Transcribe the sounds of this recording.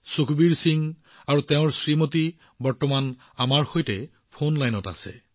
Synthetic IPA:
sukʰbiɹsiŋ | aɹuteʊ̃ɹsɹimoti | bɔɹtɔman | amaɹxojtɛ | pʰonlajnɔta̰sɛ̰

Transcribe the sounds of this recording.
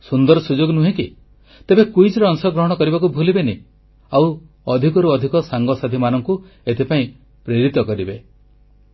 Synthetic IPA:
sund̪ɔɾɔsud͡ʒoɡnuɦẽki | t̪ebekujd͡ʒɾɔːŋsɔɡɾɔɦɔɽ̃ɔkɔɾibakubʱulibeni | aw | ɔd̪ʱikɔɾuɔd̪ʱikɔsaŋɡɔsad̪ʱimanɔŋku | et̪ʰepaĩ | pɾeɾit̪ɔkɔɾibe

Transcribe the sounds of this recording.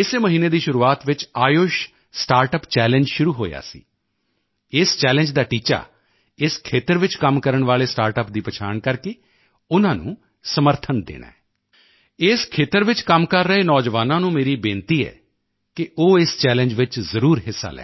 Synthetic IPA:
ɪseːməɦiːneːd̪iːʃʊɾuːaːt̪ʋɪt͡ʃaːjoːʃ | sʈaːɾʈəpt͡ʃɛːlə̃ɲd͡ʒʃʊɾuːɦoːja̰ːsḭː | ɪst͡ʃɛːlə̃ɲd͡ʒd̪aːʈiːt͡ʃa̰ː | ɪskʰeːt̪əɾʋɪt͡ʃkəmkəɾəɳʋaːleːsʈaːɾʈəp̚d̪iːpət͡ʃʰa̰ːɳkəɾkeː | ʊnãːnṵ̃ː | səməɾt̪ʰənd̪ḛːna̰ːɛː | ɪskʰeːt̪əɾʋɪt͡ʃkəmkəɾːəeːnɔːd͡ʒʋaːnãːnũːmeːɾiːbẽːnt̪iːɛ̰ː | kɪʔoːɪst͡ʃɛːlə̃ɲd͡ʒʋɪt͡ʃzəɾuːɾɦɪsːa̰ːlɛ̰ː

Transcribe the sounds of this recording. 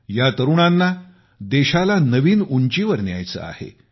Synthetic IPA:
jat̪əɾuɳanːa | d̪eɕalanəʋiːnuɲt͡ɕiʋəɾnja̰jt͡sə̰a̰hḛ

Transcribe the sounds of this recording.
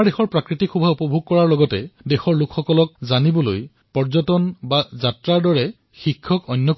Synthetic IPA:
ɹdexɔɹpɹakɹitikʰxubʱaupɔbʱuɡ̚kɔɹaɹlɔɡɔtɛ̰dexɔɹlʊkxɔkɔlɔk̚zanibɔloj | pɔɹzɔtɔnbazatɹaɹdɔɹɛ | xikʰːɔkɔnːjɔk

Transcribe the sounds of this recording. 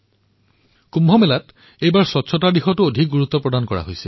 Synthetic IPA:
kumbʱɔmelat | ejbaɹsɔtːsʰɔtadixɔtuodʱik̚ɡuɹut̪ːɔpɹɔdankɔɹa̰ɦojsɛ

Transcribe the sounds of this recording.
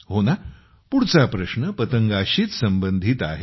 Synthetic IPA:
ɦona | puɽt͡sapɾəɕnəpət̪əŋɡaɕiːt̪səmbənd̪ʱiːt̪a̰ɦe

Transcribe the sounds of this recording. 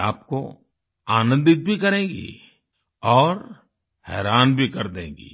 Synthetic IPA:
aːpko̰ | aːnə̃nd̪ɪt̪̚bʱikɐɾẽːɡḭ | ɔːɾ | hɛːɾaːnbʱikɐɾd̪ẽːɡḭː

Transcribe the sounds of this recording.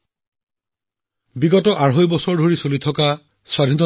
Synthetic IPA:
biɡɔtɔʔaɹɦojbɔsɔɹdʱoɹisolit̪ʰɔka | swad̪ʱinɔ

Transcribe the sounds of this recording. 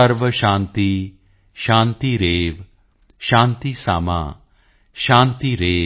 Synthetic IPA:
əɾʋəɕãnt̪i | ɕãnt̪iɾeːʋ | ʃãnt̪isa̰ma̰ | ɕãnt̪iɾe

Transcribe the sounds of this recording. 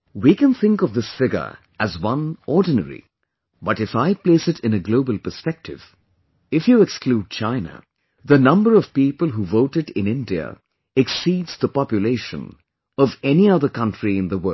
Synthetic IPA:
wikɨ̃nθɪ̃ŋkʌvðɪsfɪɡə̰˞ | ɨzwʌ̃nɔɹdⁿnə̰ɹḭ | bʌtɨfaɪpleɪsɨɾɨ̃nɨɡloʊbəlˠpə˞spɛk̚tɪv̥ | ɪfjɨɛkskluːd̚t͡ʃʰãɪnə̰ | ðənʌ̃mbə˞ʌv̥piːpəlˠɦuvoʊtɨɾɪ̃nɪ̃ndiə̰ | ɛksiːdz̥ðəpɑpjɨleɪʃə̰̃n | ʌvɛniʌðə˞kʌ̃ntɹ̥iɨ̃nðəwɜ˞

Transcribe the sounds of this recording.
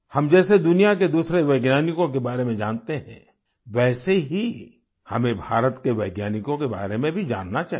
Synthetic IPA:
hɐmd͡ʒɛːsed̪ʊnijaked̪uːsɾeʋɛːɡnaːnɪkõk̬ebaːɾemẽd͡ʒaːnt̪eɦɛ̰̃ | ʋɛːseɦi | hɐmẽbʱaːɾət̪keʋɛːɡnaːnɪkõkeba̰ːɾemẽbʱid͡ʒa̰ːnːat͡ʃaːɦ

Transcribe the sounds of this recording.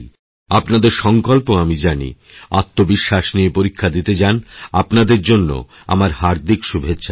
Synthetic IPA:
apnad̪eɾʃɔŋkolpoamid͡ʑanḭ | at̪ːobiʃːaʃniepoɾikʰːad̪it̪ed͡ʑanapnad̪eɾd͡ʑonːo̰ | a̰maɾhaɾd̪ikʃubʱetːɕʰa

